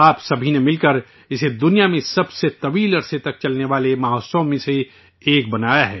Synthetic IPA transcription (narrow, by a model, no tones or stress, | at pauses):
aːpsɐbʱinemɪlkəɾ | ɪsed̪ʊnijamẽsɐbset̪ɐʋiːlɐɾset̪ɐk̚t͡ʃɐlneʋaːlemaːɦoːsõmẽse | eːk̚bɐnaːjaɦɛː